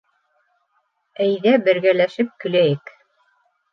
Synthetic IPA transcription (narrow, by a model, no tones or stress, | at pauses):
æjðæbɘ̆ɾɡælæʃɘp̚kɵ̆læjɘk